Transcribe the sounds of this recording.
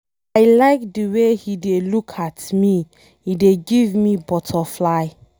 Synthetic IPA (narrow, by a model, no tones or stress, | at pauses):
aɪlaɪk̚dəwehidelukʰatmi | hideɡivmibɔtʰɔflaɪ